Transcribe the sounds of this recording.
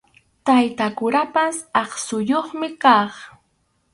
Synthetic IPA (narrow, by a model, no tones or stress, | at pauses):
t̪ajt̪akʊɾapasɑχsʊjoχmɪkɑχ